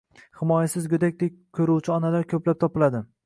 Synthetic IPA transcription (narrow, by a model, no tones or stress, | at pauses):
hɪmɒjasɪzɡʲʊd̪ak̚ʲd̪ek̚ʲkʲʰɵɾuwt͡ʃʰɪɒnalaɾkʲʰɵplap̚t̪ʰɒpɪlad̪ɪ